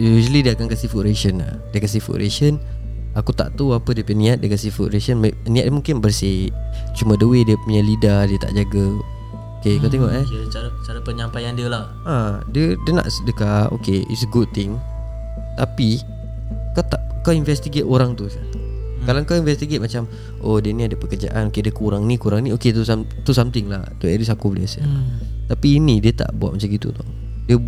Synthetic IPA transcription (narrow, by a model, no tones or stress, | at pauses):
uusəlidiəakankasifuʔɾesəna̰diəkas̬ifṵʔɾʔḛʃən | akut̪a̰ʔt̪uapədiəpənĩat̪̚diəkasifuʔɾesənmnĩat̪̚diəmũŋkɪnbərsɪt͡ʃumãdəwediəpuɲalidadiət̪a̰ʔd͡ʒaɡə | okekawt̪eŋɔʔɛaɾat͡ʃaɾapəɲampajandiəlah | adiədiəna̰ʔsdəkao̰keʔḭtsəɡud̪̚t̪ɪŋ | t̪api | kawt̪aʔkawinfɛst̪iɡet̪oɾaŋt̪usa | kalakawinvɛst̪iɡet̪̚mat͡ʃam | ʔodiəniadəpəkərd͡ʒa̰ʔa̰nokediəkuɾaŋnikuɾaŋnĩoket̪usamt̪usamt̪ɪŋla̰ht̪uɛɾisakubəla̰sa̰t̪apiːnidiət̪a̰ʔbuat̪̚mat͡ʃamɡit̪ṵt̪ɔ | diə